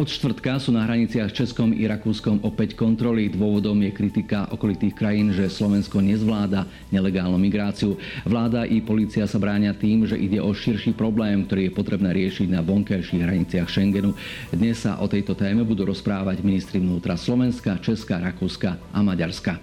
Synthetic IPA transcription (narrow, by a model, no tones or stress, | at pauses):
ʔɔt̪ʃt̪ʋr̩t̪kasuːnaɦɾaɲit͡sɪaxt͡ʃɛskɔmḭɾakuːskɔmɔpɛckɔnt̪ɾɔlid̪ʋʊɔʋɔd̪ɔmjɛkɾit̪ikaʔɔkɔlit̪iːxkɾajiːnʒɛslɔʋɛnskɔɲɛzʋlaːd̪a | ɲɛlɛɡaːlnumiɡɾaːt͡siu | ʋlaːd̪aʔipɔliːt͡siasabɾaːɲɪat̪iːmʒɛʔiɟɛʔɔʃiɾʃiːpɾɔblɛːmkt̪ɔɾiːjɛpɔt̪ɾɛbnɛːɾɪɛʃiɟnaʋɔŋkajʃiɣɦɾaɲit͡sɪaxʃɛŋɡɛnu | d̪ɲɛsːa̰ʔɔt̪ɛjt̪ɔt̪ɛːmɛbud̪uːɾɔspɾaːʋaɟminist̪ɾiʋnuːt̪ɾaslɔʋɛnskat͡ʃɛskaɾakuːskaʔamaɟaɾska